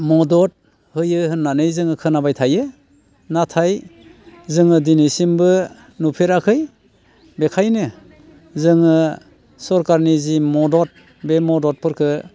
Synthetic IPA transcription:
mɔdɔt̚ | hɯjɯɦɯnːanɯjzɯŋɯkʰɯnabajtʰajɯ | natʰaj | zɯŋɯdinisimbɯ | nupʰeɾakʰɯj | bekʰajnɯ | zɯŋɯ | sɔɾkaɾnizimɔdɔt̚ | bemɔdɔt̚pʰɯɾkʰɯ

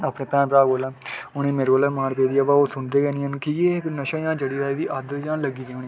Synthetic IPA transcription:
aːpnẽːpɛ̃ːnpɾaːɡoːlɛːʊñeːmeːɾɡoːlɛːmaːɾpeːd̪iːaːbaːoːsʊnd̪eːɡɛːniənkijeːɪknəʃãːjãːd͡ʒəɽiːɾaːiʋiːʔad̪əjãːləɡiːd̪eːnẽː

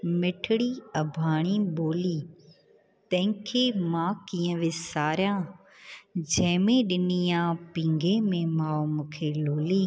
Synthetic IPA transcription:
mɪʈʰɪɽiɐbʱaːɽ̃iɓoːliː | t̪ɐ̃ɦɪ̃kʰeːmãkiːə̃ʋɪsaːɾjã | d͡ʑɐ̃ɦmẽɗɪnijãpĩːŋɡʱemẽmaːomũːkʰeloːliː

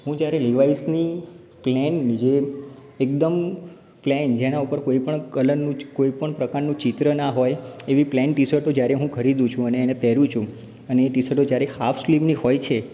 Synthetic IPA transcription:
ɦũd͡ʒjaɾeliʋaisni | plɛnːd͡ʒe | ek̚d̪əm | plɛnd͡ʒenaupəɾkoipəɳkələɾnũkoipəɳpɾəkaɾnũt͡ʃit̪ɾənaɦojeʋiplɛnʈisəʈod͡ʒjaɾeɦũkʰəɾid̪ũt͡ʃʰũəneːnepɛɾũt͡ʃʰũ | əneːʈisəʈod͡ʒjaɾehafʰslimnihojt͡ʃʰe

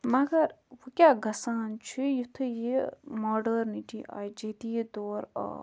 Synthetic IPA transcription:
mɐɡɐɾʋukʲaːɡɐsaːnt͡ʃʰujut̪ʰɨjimoːɖɐɾniʈḭʔa̰ːjd͡ʒed̪id̪oːɾa̰

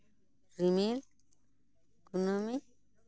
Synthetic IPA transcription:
ɾimil | kunomi

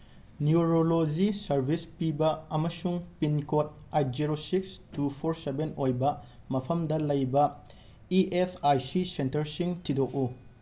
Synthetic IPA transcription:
niuɾolod͡ʒisɐɾbʱispibɐɐmɐsuŋpinkot̚at̚d͡ʒiɾosikstupʰoɾsebenojbɐ | mɐpʰɐmdɐlɐjbɐ | iʔepʰajsisentɐɾsiŋtʰidok̚u

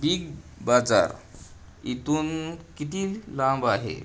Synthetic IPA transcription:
biɡ | bad͡za̰ɾ | it̪unkit̪illãmbaɦḛ

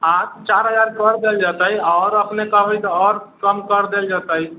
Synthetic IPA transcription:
ãt̪t͡ʃaɾɦəd͡ʒaɾkəɾd̪eld͡ʒat̪əɦiɔʊɾəpnekəɦbəjt̪ɔɔɾkəmkəɾd̪eld͡ʒat̪əɦi

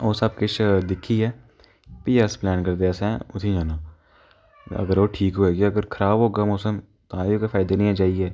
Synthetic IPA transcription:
oːsɐb̚kɪʃʰd̪ɪkʰːiɦɛː | piːəsplɛːnkɐɾd̪eɛsɛ̃ʊt̪ʰĩd͡ʒaːnaː | ɐ̰ɡəɾoːʈʰiːkɦoːeːɡiɐɡəɾkʰəɾaːbɦoːɡaːmɔːsəm | t̪ãːjokafʰaːɪd̪anĩːaːd͡ʒaːiɛː

